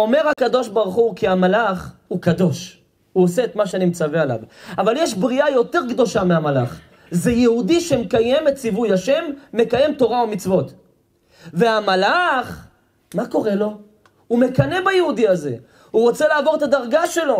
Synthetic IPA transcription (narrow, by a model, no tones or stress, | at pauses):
o̞meʁakado̞ʃbaʁuχukiamalaχhukado̞ʃ | huoseet̪maʃeanimt͡saveala̰vavaljeʃbʁiajo̞t̪e̞ʁɡd̪o̞ʃameamala̰χ | zejehudiʃemekaje̞mett͡sivujaʃe̞mːe̞kaje̞mto̞ʁaomit͡svo̞t̪ | ve̞amalaχ | mako̞ʁe̞lo̞ | hume̞kane̞bajehudiaze̞̰ | huʁo̞t͡selaːvo̞ʁet̪ad̪aʁɡaʃe̞lo̞